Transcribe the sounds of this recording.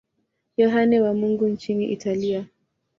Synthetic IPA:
jɔɦanɛwamuŋɡunt͡ʃiniʔitalia

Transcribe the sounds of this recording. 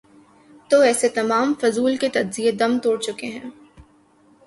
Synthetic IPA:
t̪oɛːset̪ɐmaːmfʊzuːlket̪ɐd͡ʒzijed̪ɐ̃mt̪oːɽt͡ʃʊkeɦɛ̃ː

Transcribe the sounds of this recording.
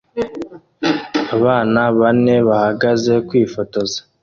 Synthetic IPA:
aβaːnaβane̞βahaɡaze̞kwiːfo̞to̞zḁ

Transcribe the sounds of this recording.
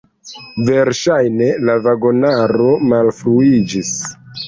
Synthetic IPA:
ve̞ɾʃajne̞lavaɡo̞naɾo̞malfɾuid͡ʒis

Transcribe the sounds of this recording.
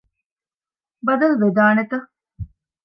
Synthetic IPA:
bɐd̪ɐlʋed̪aːnet̪ɐ

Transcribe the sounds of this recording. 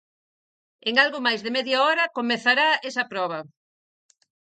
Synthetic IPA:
eŋalɣʊmajzðemɛðjaɔɾɐkomeθaɾaɛsɐpɾɔβ̞ɐ

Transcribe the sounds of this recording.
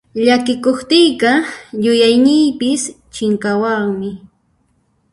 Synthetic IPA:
ʎakɪkoχt̪ɪjqɑjʊjajnɪjpɪs | t͡ʃɪŋkawɑŋmɪ

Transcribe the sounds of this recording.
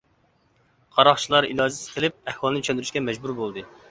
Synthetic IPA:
qʰɑɾɑχt͡ʃʰilˠɑɾḭlˠɑːzɨsqʰəlˠɪp̚æhwɑlˠnɨt͡ʃʰønd̪yɾyʃʲkʲɛmɛd͡ʒbuɾbolˠd̪ɨ

